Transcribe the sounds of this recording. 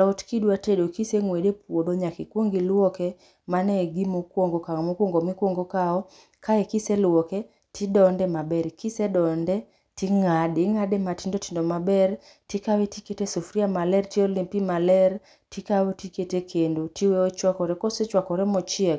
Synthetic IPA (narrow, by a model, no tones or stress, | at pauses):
ɔtkidwatedokiseŋwedepwodoɲakikwoŋɡilwɔkɛ | manɛɡimokwoŋɡokamokwoŋɡomɪkwoŋɡokaɔ | kaɛkiselwɔkɛ | tʰidɔndɛmabɛɾkisedɔndɛ | tiŋadɪŋadematindotindomabɛr | tikawetiketesufɾiamalɛrtiɔlimpimalɛr | tikawetiketekʰendotiweot͡ʃwakɔɾɛkɔset͡ʃwakɔɾɛmɔt͡ʃɪɛk